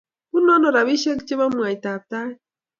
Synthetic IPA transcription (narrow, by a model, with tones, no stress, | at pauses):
u˦nɔ˦nɔ˨ɾa˨βi˦ʃe˦kt͡ʃe˦βa˦mu˨a˨jt̪a˨p̚t̪a˦j